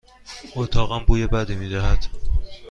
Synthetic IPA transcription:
ʔot̪ʰɒːɣæmbuːjebæd̪iːmiːd̪æɦæd̪̥

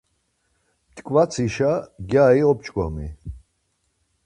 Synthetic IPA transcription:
t̪ʼkʼvat͡sʰiʃaɡjaiɔp̚t͡ʃʼkʼɔ̰mḭ

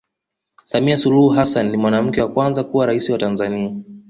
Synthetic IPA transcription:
samiasuluhuɦasanːimwanam̩kɛwakwanzakuwaɾaisiwatanzania

